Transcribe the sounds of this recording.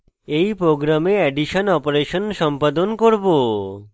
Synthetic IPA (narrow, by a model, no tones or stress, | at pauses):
ejpɾoɡɾameɛɖiʃonɔpoɾeʃonʃɔmpad̪onkoɾbo